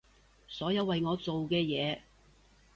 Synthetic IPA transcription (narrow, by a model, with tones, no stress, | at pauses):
sɔː˨˥jɐ˨˧wːɐ˨jŋɔː˨˧t͡so˨wkɛː˧jɛː˨˧